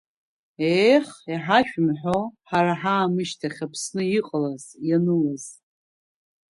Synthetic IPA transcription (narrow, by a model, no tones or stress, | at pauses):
ejχiħaʃᶣmħoħaɾaħaːmɨʃtʰaχʲapʰsnɨiqʼəlazjanɨlaz̥